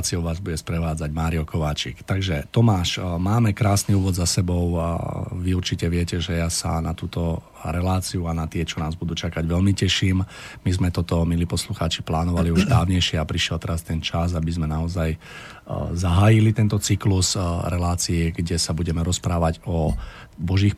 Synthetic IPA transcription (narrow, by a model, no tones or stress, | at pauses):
t͡siɔʊʋaːzbuɟɛspɾɛʋaːd͡zaɟmaːɾiɔkɔʋaːt͡ʃḭkt̪aɡʒɛt̪ɔmaːʃmaːmɛkɾaːsniuːʋɔd̪zasɛbɔʊʋiuɾt͡ʃicɛʋɪɛcɛʒɛjaːsa̰nat̪uːt̪ɔ | ɾɛlaːt͡siuanat̪ɪɛt͡ʃɔnaːzbud̪uːt͡ʃakaɟʋɛlmicɛʃiːmmizmɛt̪ɔt̪ɔmiliːpɔsluxaːt͡ʃi̥plaːnɔʋaliuʒd̪aːʊɲɛjʃɪɛapɾiʃɪɛlt̪ɛɾast̪ɛnt͡ʃaz̬abizmɛnaɔzaj | zaɦaːjilit̪ɛnt̪ɔt͡sikluzɾɛlaːt͡siɛɡɟɛsabuɟɛmɛɾɔspɾaːʋaɟɔ | bɔʒiːx